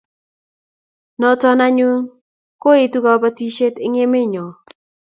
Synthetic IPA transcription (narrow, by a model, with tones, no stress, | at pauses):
nɔ˨tɔ˦na˦ɲwu˦ŋ | ko˦ɪ˨tu˦ka˨˦pa˦ti˦ʃe˦tɪ˦ŋe˦mɪ˦ɲɔ˨